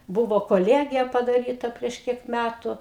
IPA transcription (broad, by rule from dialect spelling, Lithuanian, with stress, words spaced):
ˈbʊʋoː koːˈlʲiɛɡʲɪjɛ pɐdɐˈrʲiːtɐ pʲrʲiɛʃ ˈkʲiɛk ˈmʲætʊ